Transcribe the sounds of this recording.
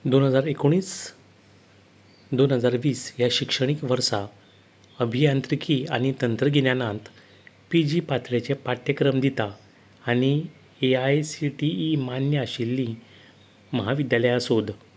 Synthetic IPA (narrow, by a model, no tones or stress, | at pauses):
d̪onɦəd͡zaɾekoɽ̃iːs | d̪onɦəd͡zaɾʋiːsjaɕikʂəɽ̃ikʋəɾsa | əbʱijãnt̪ɾikʰiːaɽ̃it̪ənt̪ɾəɡʱenjanãnt̪ | pid͡ʑiːpat̪ʰɭet͡ɕepaʈ̪jəkɾəmd̪it̪aː | ɽ̃i | eajsiʈiːmanjəɕilːi | məɦaʋid̪jaləjəsod̪